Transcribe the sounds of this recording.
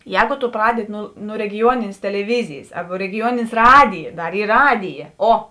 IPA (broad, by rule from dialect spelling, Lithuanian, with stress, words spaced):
ˈjɛːɡʊ tʊ ˈprɑːdʲɛdʲɪ ˈnʊ nʊ rʲɛɡʲɪˈjuɔnʲɪnʲeːs tʲɛlʲɛˈʋʲɪzʲɪjɪs ˈɐrbɐ rʲɛɡʲɪˈjuɔnʲɪnʲeːs ˈrɑːdʲɪjɛ ˈdɐr ˈiːr ˈrɑːdʲɪjɛ ˈoː